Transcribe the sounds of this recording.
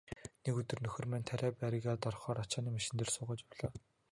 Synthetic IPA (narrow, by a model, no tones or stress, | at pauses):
nekɵt̪ɵ̆rnɵxɵ̆rmæːnʲt̪ʰæɾʲæːpæɾɪɣaːt̪ɔrχɔːɾat͡ɕaːniːmaʃɪ̆nt̪ɘ̆rsʊːʁaːt͡ɕʊɮaː